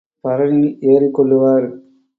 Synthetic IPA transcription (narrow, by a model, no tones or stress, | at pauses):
pɐɾɐniʔeːɾikːɔɭːɯʋaːɾ